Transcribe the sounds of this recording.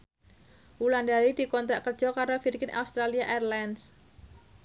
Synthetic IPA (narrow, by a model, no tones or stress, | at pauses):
wulandaɾid̥i̤kɔnt̪ɾaʔkərd͡ʒ̥ɔkaɾofirɡɪnʔa̰ust̪ɾaliaʔɛrlans